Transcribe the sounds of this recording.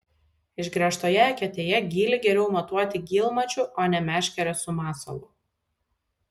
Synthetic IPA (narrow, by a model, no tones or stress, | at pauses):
ɪʃɡɾʲɛʃt̪oːjɛɛkʲɛt̪ʲeːjɛɡʲiːlʲɪɡʲɛɾʲɛʊmɐt̪uɔt̪ʲɪɡʲiːlˠmɐt͡ʃʲʊʔoːnʲɛmʲæːʃʲkʲɛɾʲɔsʊmɑːsɐ̰lˠʊ